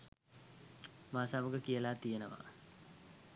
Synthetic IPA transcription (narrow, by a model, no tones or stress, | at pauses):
maːsaməɡəkijəlaːt̪ijenəʋa̰